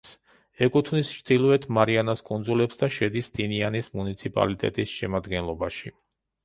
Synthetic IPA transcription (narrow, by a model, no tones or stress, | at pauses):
s | ɛkʼut̪ʰvnist͡ʃd̪̥ilˠɔɛt̪ʰmaɾianaskʼund̪zulɛpsd̪aʃɛd̪isd̪̥inianismunit̪sʰipʼa̰lit̪ʼɛ̰t̪ʼisʃɛmad̪ɡɛnlˠɔbaʃi